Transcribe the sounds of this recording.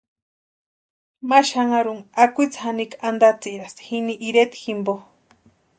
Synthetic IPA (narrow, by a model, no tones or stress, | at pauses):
maʃaŋaɾuŋakʷuit͡shanikand̪at͡siɾast̪xiniʔiɾet̪ximbo